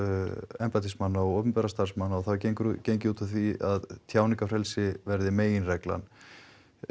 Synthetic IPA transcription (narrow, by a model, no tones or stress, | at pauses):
ɛmpat̪ʰismanːaɔɣoːwpʏnpɛɾast̪aɾ̥smanːaɔθawcekɾcejɲcɪuːt̪aθiaðt̪ʰjaːwniŋkafɾɛlsɪvɛɾðɪmeːjɪnrɛkla̰n